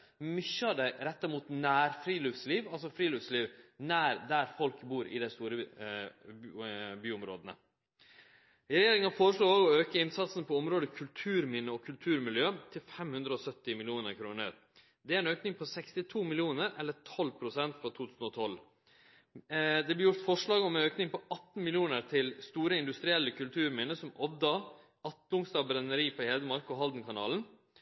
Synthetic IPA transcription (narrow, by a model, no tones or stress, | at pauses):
mʏçəɑd̪æɪɾɛt̪ːəɾɪmuːt̪næːɾfɾiːlʉːfsliːʋɑlsɔfɾiːlʉːfsliːʋnæːɾd̪æɾfɔlkbuːɾɪ̰d̪æɪst̪uːɾə | byːʊmɾo̰ːd̪ənə̰ | ɪɾɛjeːɾɪŋəɑfoːɾəʂɭoːoːɡɔøːkəɪnsɑt̪sənpʰɔɔmɾoːd̪əkʰʉlt̪ʰʉːɾmɪnəɔkʰʉlt̪ʰʉːɾmɪljøːt̪ʰɪlfɛmhʉnd̪ɾəɔsœt̪ːɪmɪlɪuːnəɾkʰɾuːnə̰ɾ | d̪ɛæːɾɛnøːknɪŋpʰɔsɛkst̪ɪt̪ʰuːmɪlɪuːnəɾɛlːət̪ʰɔlːpʰɾʊsɛnt̪fɾɑt̪ʰuːt̪ʰʉːsn̩ɔt̪ʰɔlː | d̪ɛblɪjʊɾt̪fɔʂɭɑːɡɔmɛnøːknɪŋpʰɔʔɑt̪ːn̩mɪljuːnəɾt̪ʰɪlst̪uːɾəɪnd̪ʉst̪ɾɪɛlːəkʰʉlt̪ʰʉːɾmɪnəsɔmɔʋd̪ɑ | ɑt̪lʊŋst̪ɑːbɾɛnəɾiːpɔheːd̪əmɑɾkɔɦɑld̪n̩kʰɑnɑ̰ːln̩